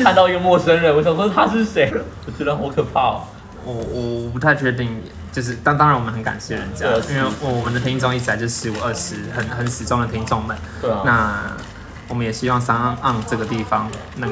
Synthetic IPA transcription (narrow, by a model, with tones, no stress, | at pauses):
a˥˧nt̪ɑ˥˧ʊy˥˧mwɔ˥˩ʂə˥nɻə˧nwɪsɑ˨˩˥t̪ʰa˥ʂɻ̩˥˩ʂe˧˥ɪlə˨ɔ˨˩t͡ɕ̩ʰ˥lə˧˥nxə˧˥ʊkʰɤ˨˩pʰɑ˥˩l̰ | wɔ˨˩wɔ˨˩˨pu˧˥t̪ʰa˥˧ɪt͡ɕʰɥɛ˥˧t̪i˥˩ŋ | t͡ɕjo˥˧ʊʂ̬ɻ̩˥˧t̪ɑ˥ŋt̪ɑ˥ŋɻnwɔ˨˩mə˦nhə˦nka̰˨˩nɕjɛ˥˩ə˩ɻə˧˦nt͡ɕjɑ˥˩˧i˥nwe˥˩wɔ˧˩wɔ˨˩mə˧˦nd̪ə˧t̪ʰi˥ŋt͡sʊ˥˧ŋi˥˩t͡ɕʰi˨˩a˧˥jo˥˧ʊʂɻ̩˧˥˩wɔ˨˩ə˥˧˩ʂɻ̩˧˥xə˨˩nxə˧˥nʂɻ̩˨˩ʈ͡ʂʊ˥ŋd̪ə˨t̪ʰi˥ŋt͡sʊ˥˩ŋmə˨˩n | na˥˩ | wɔ˨˩mə˦njɛ˨˩ɕi˥wɑ˥˩ŋsa˥ŋ˥˧ʔɑ˥˧˩ŋʈ͡ʂɤ˥˩ɡə˩t̪i˥˩fɑ˦ŋna˥˩